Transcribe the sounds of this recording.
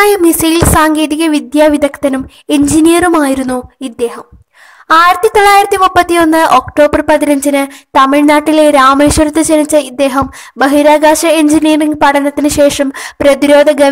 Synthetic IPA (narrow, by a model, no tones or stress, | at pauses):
ajɐmisɐjlsaːŋɡe̞ːðiɣɐʋid̪jaːʋid̪ʱɐkt̪ɐnum | end͡ʑinijɐrumaːjiɾunːuid̪ːe̞ːhɐm | aːjiɾɐt̪ːit̪o̞ɭːaːjiɾɐt̪ːimupːɐt̪ːijo̞nːɨʔoːkʈo̞ːbɐrpɐðinɐɲd͡ʑinɨt̪ɐmiɻnaːʈːileɾaːmeːʂʋɐrut̪ːɐt͡ɕeɾit͡ɕːɐid̪ːe̞ːɦɐm | bɐɦiɾaːɡaːʂɐeɲd͡ʑinijɐriŋpɐɽɐnːɐt̪ːinɨɕe̞ːʂɐmprɐðiɾo̞ːd̪ʱɐɡɐ